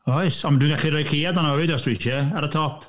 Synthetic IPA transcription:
ɔjsɔmdwɪ̃nɡaɬiɾɔjkʰijadanɔwɪdɔstwiʃəaɾətʰɔpʰ

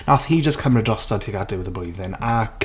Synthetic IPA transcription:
naθhid͡ʒəskʰəməɹədɹɔstətʰiɡadɪwɪðəblujvðɪnak

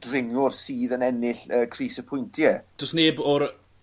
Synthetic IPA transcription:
drɪŋʊrsiːðənɛnɪɬəːkʰriːsəpʰʊjntʰjɛd̥ʊsneːbɔɾ

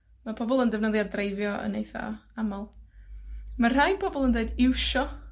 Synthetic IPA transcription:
mapʰɔbɔlˠəndɛvnəðjaddreɨvjɔə̰nejθa̰amalˠ | mar̥ajnpʰɔbɔlˠəndeɨdɪwʃɔ

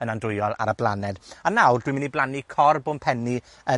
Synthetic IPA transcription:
ənandrʊɨjɔlˠa̰ɾəblˠanɛd̥anawrdwimɪniblˠanikʰɔrboːnpʰɛni | ə

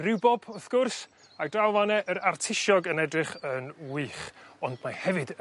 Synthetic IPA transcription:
rɪwbɔb̥ʊθɡ̥ʊrs | adrawˠvanɛʔəɾartʰɪʃɔɡənɛdrɪχənwiːχɔndmahɛvɨdə

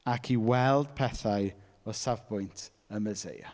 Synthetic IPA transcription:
akʰiwɛlˠd̥pʰɛθaɨ | ɔsavbʊjntʰ | əməzḛja̰

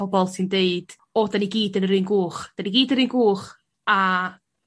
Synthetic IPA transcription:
ɔbɔlˠsɪndeɨd̥ | ɔdaniɡiːdənrɨːnɡuːχd̥aniɡiːdənɾɨːnɡuːχ | a

